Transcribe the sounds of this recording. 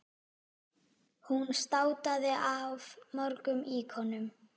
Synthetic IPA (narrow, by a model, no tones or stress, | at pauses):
hunst̪aːwt̪aðɪʔavmɔɾkʏmiːkʰɔnʏm